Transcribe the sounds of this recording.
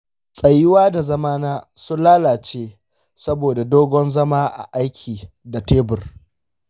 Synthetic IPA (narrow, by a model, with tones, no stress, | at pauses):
sʼɐ˨jɪ˦waː˦da˨zɐ˦maː˦naː˦sʊ˦nlaː˦laː˨t͡ʃeː˦ | sɐ˦boː˨da˨doː˦ɡʷɔ˦nzɐ˦maː˦ʔa̰˨ʔa˦jkʲʰiː˨ | da˨teː˦bʊ˨r